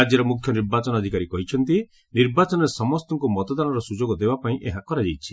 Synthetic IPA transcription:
ad͡ʒjɔɾɔmukʰjɔniɾbat͡ʃɔnɔd̪ʱikaɾikɔɦit͡ʃʰɔnt̪i | niɾbat͡ʃɔnɔɾesɔmɔst̪ɔŋkumɔt̪ɔd̪anɔɾɔsud͡ʒoɡɔd̪ebapaĩʔeɦakɔɾad͡ʒajt͡ʃʰi̥

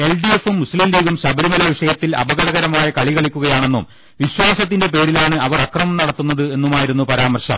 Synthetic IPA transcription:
e̞lɖie̞fumːuslimliːɣumɕɐbɐɾimɐlɐʋiʂɐjɐt̪ːilɐ̰bɐɣɐɽɐɣɐɾɐmaːjɐkɐɭiɣɐɭikʲːuɣɐjaːɳe̞nːum | ʋiɕwaːsɐt̪ːinde̞pe̞ːɾilaːɳɨɐʋɐrɐkrɐmɐmnɐɽɐt̪ːunːɐðɨe̞nːumaːjiɾunːupɐɾaːmɐrɕɐ̰m

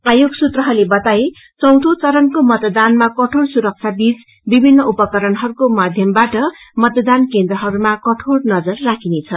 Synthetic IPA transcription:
ajoɡsut̪rʌɦʌlebʌt̪ae | t͡sʌwt̪ʰot͡sʌɾʌnkomʌt̪d̪anmakʌʈʰoɽsuɾʌk̚t͡sʰjabit͡s | bibʱinːʌupʌkʌɾʌnɦʌɾukomad̪ʱjʌmbaʈʌ | mʌt̪d̪ankend̪rʌɦʌɾumakʌʈʰoɽnʌd͡zʌrːakʰinet͡sʰʌ

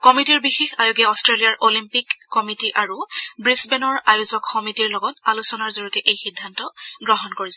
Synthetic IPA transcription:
kɔmitiɹbixexajuɡɛɔstɹelijaɹʔolimpikːɔmitiʔaɹubɹisbɛnɔɹajuzɔkxɔmitiɹlɔɡɔtalusɔnaɹzoɹukɛʔejxidʱːantɔɡɹɔɦɔnkoɹisɛ

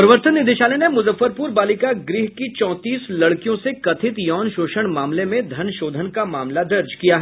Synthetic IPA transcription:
pɾəʋəɾt̪ənːɪd̪eʃaːlenemʊzəfːəɾpuːɾbaːlɪkaɡɾɪɦkit͡ʃɔ̃ːt̪iːslɐɽkijõsekɐt̪ʰɪt̪jɔːnʃoːʃəɽ̃maːmlemẽd̪ʱɐnʃoːd̪ʱənkamaːmlad̪ɐɾd͡ʒkijaɦɛ

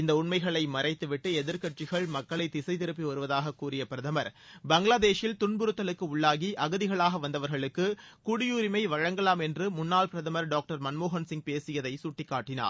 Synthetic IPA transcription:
ɪnd̪ɐʊɳmɐɪɣɐɭɐɪmɐrɐɪt̪ːɯʋɪʈːɯɛðɪɾkɐʈ̚t͡ʃɪɣɐɭmɐkːɐɭɐɪt̪ɪsɐɪt̪ɪɾɯp̬ːiʋɐɾɯʋɐðaːɣɐkːuːɾɪjɐpɪɾɐðɐmɐɾ | bɐŋɡɭaːðeːʂɪlt̪ʊnbʊɾɯt̪ːɐlɯkːɯʊɭːaːɣiʔɐɣɯðɪɣɐɭaːɣɐʋɐnd̪ɐʋɐɾɣɐɭɯkːɯkʊɽɪjuːɾɪmɐɪʋɐɻɐŋɡɐlaːmɛndrɯmʊnːaːlpɪɾɐðɐmɐɾɖaːk̚ʈɐɾmɐnmoːɣɐnsɪŋɡ̚peːsɪjɐðɐɪsʊʈːɪkːaːʈːɪna̰ːɾ

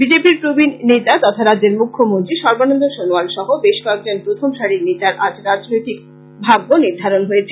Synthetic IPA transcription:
bid͡ʑepiɾpɾubinnet̪at̪ɔt̪ʰaɾadːd͡ʑeɾmukʰːomont̪ɾiʃɔɾbonond̪ʱoʃonoalʃɔɦobeʃkɔek̚d͡ʑonpɾot̪ʰomʃaɾinet̪aɾʔad͡ʑɾad͡ʑnojt̪ik | bʱaɡːoniɾd̪ʱaɾonɦojet͡ɕʰe

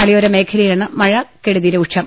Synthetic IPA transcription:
ɐɭijoɾeme̞ːkʰɐɾɐjaːɳɨmɐɻɐkeɽuðiɾɐuʈʂʰɐm

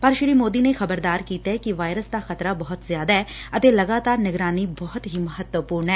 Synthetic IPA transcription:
pəɾʃɾiːmoːd̪iːneːxəbəɾd̪aːɾkiːt̪aɛːkɪʋaːɪɾəsd̪aːxət̪ɾaːbɔɦʊt̪zjaːd̪aːɛːət̪eːləɡaːt̪aːɾnɪɡɾaːniːbɔːt̪ɦiːməɦət̪wəpuːɾɳɛː

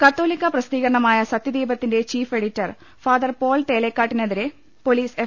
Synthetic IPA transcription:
kɐt̪ːoːlikʲːɐprɐst̪iːɣɐɾɐɳɐmaːjɐsɐt̪ːjɐd̪iːbɐt̪ːinde̞t͡ɕiːfe̞ɽitːɐr | faːd̪ɐrpo̞ːlʈe̞ːlekːaːʈːineðiɾe | po̞liːse

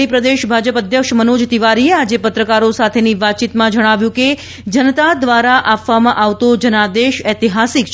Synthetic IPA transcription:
ipɾəd̪eʃbʱad͡ʒəpəd̪ʱjəkʃmənod͡ʒt̪iʋaɾiead͡ʒepət̪ɾəkaɾosat̪ʰeniʋat̪̚ːt͡ʃit̪mãd͡ʒəɽ̃aʋjũke | d͡ʒənət̪ad̪ʋaɾaʔapʋamãʔaʋt̪od͡ʒənad̪eʃɛt̪iɦasikt͡ʃ

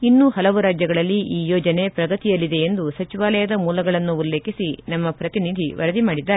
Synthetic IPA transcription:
inːuhɐlɐʋuɾaːd͡ʒjɐɡɐɭɐlːiʔiːjoːd͡ʒɐne̞pɾɐɡɐt̪ijɐlːid̪e̞end̪usɐt͡ʃiʋaːlɐjɐd̪ɐmuːlɐɡɐɭɐnːuːlːe̞ːkisinɐmːɐpɾɐt̪inid̪ʱiʋʔɐ̰ɾɐd̪imaːɽid̪ːaːɾe

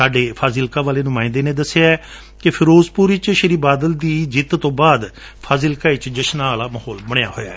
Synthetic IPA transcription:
saːɖeːpʰaːzɪlkaːʋaːleːnʊmãːɪ̃nd̪eːnẽːd̪əsːeaɛː | kɪpʰɪɾoːzpuːɾɪt͡ʃʃəɾiːbaːd̪əld̪iːd͡ʒɪt̪t̪õːbaːd̪ | pʰaːzɪlkaːit͡ʃd͡ʒəʃnaːlaːməhɔːlbəɽ̃eja̰ːɦoːja̰ːɛ

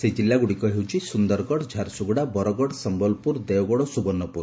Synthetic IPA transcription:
sed͡ʒilːaɡuɽikɔɦewt͡ʃʰisund̪ɔɾɡɔɽd͡ʒʱaɾsuɡɽabɔɾɔɡɔɽsɔmbɔlpuɾd̪eɔɡɔɽɔsubɔnːɔpuɾ

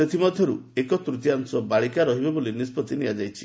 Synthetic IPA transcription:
set̪ʰimɔd̪ʱjɔɾuekɔt̪ɾut̪iaŋsɔbaɭikaɾɔɦibebolinispɔt̪iniad͡ʒajt͡ʃʰi̥

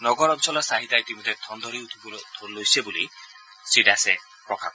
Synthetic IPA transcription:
nɔɡɔɾɔnsɔlɔsaɦit̪ajt̪imɔt̪et̪ʰɔnd̪ɔɾiut̪ʰubud̪ʱlojsebulḭ | siɖase | pɾɔkʰap

